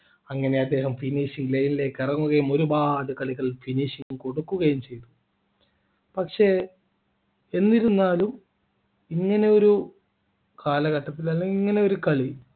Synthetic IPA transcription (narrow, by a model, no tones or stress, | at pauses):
ɐŋːɐne̞ɐd̪ːe̞ːɦɐmfiniːʂiŋɡlejinileːkːirɐŋːuɣɐjumo̞ɾubaːd̪ɨkɐɭiɣɐɭifiniːʂiŋuko̞ɽukːuɣɐjumt͡ɕe̞jt̪u̥ | pɐkʂe̞ | e̞nːiɾunːaːlum | iŋːɐne̞o̞ɾu | kaːlɐɣɐʈːɐpːilaːlːɐiŋːɐne̞o̞ɾukɐɭi